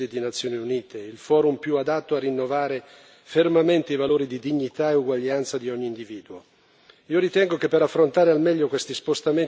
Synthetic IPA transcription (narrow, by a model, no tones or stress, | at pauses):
ed̪inat̪sːjoːniuniːt̪eilfɔːɾumpjuad̪at̪ːoarːinːovaːɾe | fermament̪eivaloːɾid̪id̪iɲːit̪aeuɡwaʎːant̪sad̪iɔɲːiːnd̪iviːd̪uo | iːoɾit̪ɛŋɡok̟epːeɾafːɾont̪aːɾealmɛʎːokwest̪ispost̪ame